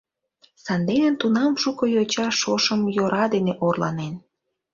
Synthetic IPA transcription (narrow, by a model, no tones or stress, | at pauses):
sɑnd̪enənt̪unɑmʃukojot͡ɕɑʃoʃəmjoɾɑd̪eneʔorlɑ̰nen